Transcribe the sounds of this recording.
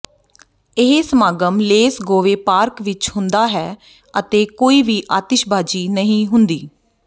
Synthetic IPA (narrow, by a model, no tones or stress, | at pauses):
ɪɦeːsəmaːɡəmleːsɡoːʋeːpaːɾkʋɪt͡ʃhʊ̃nd̪aːɦɛː | ət̪eːkoːiːʋiːʔaːt̪ɪʃbaːd͡ʒiːnəɦĩːɦʊnd̪iː